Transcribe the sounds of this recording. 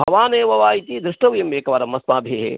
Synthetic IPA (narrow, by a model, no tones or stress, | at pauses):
bʱɐʋaːneːʋɐʋaːit̪id̪ɾɪʂʈɐʋjɐmʋeːkɐʋaːɾɐmɐsmaːbʱeːɦḛ